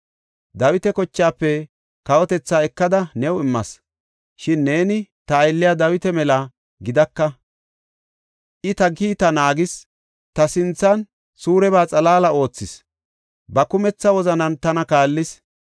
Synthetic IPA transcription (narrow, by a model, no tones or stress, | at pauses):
d̪ɐwɪt̪ɛkɔt͡ʃːaːpːɛ | kɐwɔt̪ɛt͡sːaːɛkːɐd̪ɐnɛwɪmːɐ̰s | ʃɪnːeːnɪt̪ɐːjlːɪjad̪ɐwɪt̪ɛmɛlɐ | ɡɪd̪ɐkːɐ | ʔɪt̪ɐɡiːt̪ɐnaːɡɪs | t̪ɐsɪnt͡sːɐn | suːɾɛbaːt͡sʼɐlaːlɐʔo̞ːt͡sːɪs | bɐkʊmɛt͡sːɐwɔzɐnɐnt̪ɐnɐkaːlːɪs